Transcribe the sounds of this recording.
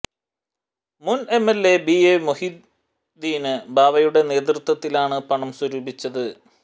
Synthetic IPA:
mune̞melːe̞biemohid̪ | d̪iːnɨbʱaːʋɐjuɽe̞ne̞ːt̪̬rɨt̪wɐt̪ːilaːɳɨpɐɳɐmswɐɾuːbit͡ɕːɐðɨ

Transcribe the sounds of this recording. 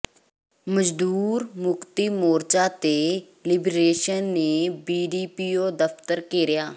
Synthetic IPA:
məd͡ʒd̪uːɾmʊkt̪iːmoːɾt͡ʃaːt̪eː | lɪbɾeːʃənːeːbiːɖiːpiːoːd̪əft̪əɾkeːɾɪjaː

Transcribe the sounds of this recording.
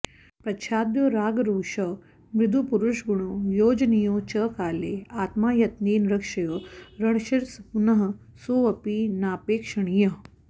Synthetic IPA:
pɾɐʃʰaːd̪joːɾaːɡɾuːʂɐ | mɾɪd̪ʱupuɾuʃɡuɳ̃oːjoːd͡ʒnijõːt͡ʃəkaːleːaːt̪maːjɐt̪niːnɾɐkʂɐjoːɾɐɳ̃ʃiɾsɐpunɐɦɐ | soːʋɐpiːnaːpeːkʂɐɳ̃ijɐ

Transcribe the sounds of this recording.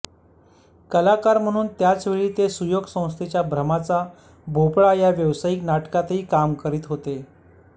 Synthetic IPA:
kəlakaɾm̤əɽ̃uːnt̪jat͡sʋeɭiːt̪esujoɡsə̃w̃st̪ʰet͡ɕjabʱɾəmat͡sa | bʱopɭajaʋjəʋsajiːknaʈkat̪ɦiːkamkəɾiːt̪ɦot̪e

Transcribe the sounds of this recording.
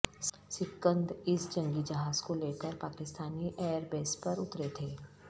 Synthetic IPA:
sɪkːə̃nd̪ɪsd͡ʒɐ̃ŋɡid͡ʒɐɦaːzkoleːkəɾpaːkɪst̪aːniʔeːəɾbeːspɐɾʊt̪ɾet̪ʰeː

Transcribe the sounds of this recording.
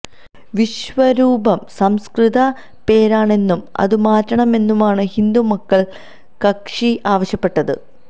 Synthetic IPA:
ʋiɕʋɐɾuːbɐmsɐmskrɨðɐ | pe̞ːɾaːɳe̞nːumɐ̰ðɨmaːtːɐɳɐme̞nːumaːɳɨhind̪umɐkːɐɭ | kɐkʂiaːʋɐɕjɐpːe̞ʈːɐðɨ̰

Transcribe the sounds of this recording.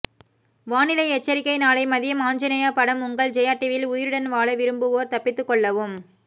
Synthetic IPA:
ʋaːnɪlɐɪɛt͡ʃːɐɾɪkːɐɪnaːlɐɪmɐðɪjɐmaːɲd͡ʒɐnɐjaːpɐɽɐmʊŋɡɐɭd͡ʒɛjaːʈːɪʋɪlʊjɪɾɯɽɐnʋaːɭɐʋɪɾɯmbɯʋoːɾt̪ɐpːɪt̪ːɯkːɔɭːɐʋɯm

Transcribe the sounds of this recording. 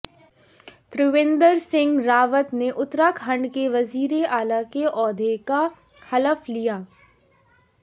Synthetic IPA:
t̪ɾɪʋẽːnd̪əɾsɪ̃ŋɡɾaːʋət̪neʔʊt̪ɾakʰɦɐ̃ɳɖkeʋɐziːɾeʔaːlakeʔɔːd̪ʱeka | xɐləflijaː

